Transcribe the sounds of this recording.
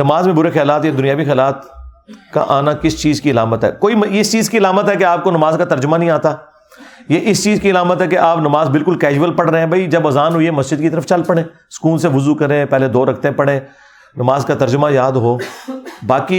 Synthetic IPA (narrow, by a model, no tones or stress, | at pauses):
nɐmaːzmẽbʊɾexjaːlaːt̪jad̪ʊnijaːʋixɛaːlaːt̪ka̰ʔaːnakɪst͡ʃiːzkiɐlaːmət̪ɦɛ̰ːkoːimɪɪst͡ʃiːzkiɐlaːmət̪ɦɛk̬eaːp̚konɐmaːzkat̪ɐɾd͡ʒʊmanəɦĩːaːt̪aː | jeʔɪst͡ʃiːzkiəlaːmət̪ɦɛkeʔaːpnɐmaːzbɪlkʊlkɛːd͡ʒʋəlpɐɽɾeɛ̃bʱɐid͡ʒɐbɐzaːnɦʊiemɐsd͡ʒəd̪̚kit̪ɐɾəft͡ʃɐlpɐɽẽː | sə̥kuːlseʋʊzukɐɾẽːpɛɦled̪oːɾɐkʰt̪ẽpɐɽẽː | nɐmaːzkat̪ɐɾd͡ʒʊmajaːd̪ɦoːbaːki